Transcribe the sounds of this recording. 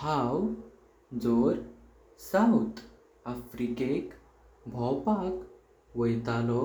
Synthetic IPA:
haw | d͡zɔɾ | sawt̪ | afɾikek | bʱɔwpak | ʋəjt̪alɔ

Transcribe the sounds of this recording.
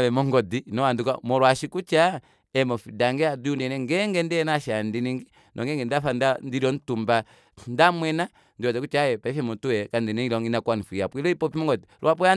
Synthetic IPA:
βɛmɔŋɡɔdinɔwandukamɔɾwaʃikut͡ʃa | ɛmɔfidaŋɡɛaduunɛnɛŋɡɛŋɡɛndɛnaʃandiniŋɡi | nʔɔŋɡɛŋɡɛndafandandiɾɔn̩tumba | ndamwɛna | ndiɾɔtɛkut͡ʃajɛpaifɛmɔtuɛkandinɛilɔŋinakwanifijapilɔipɔpimɔŋɡɔdiɾwapɔja

